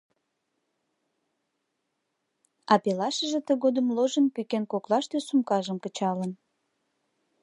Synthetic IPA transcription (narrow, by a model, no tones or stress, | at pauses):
ɑpelɑʃəʒet̪əɣod̪əmloʒənpykenkoklɑʃt̪øsumkɑʒəmkət͡ɕɑlən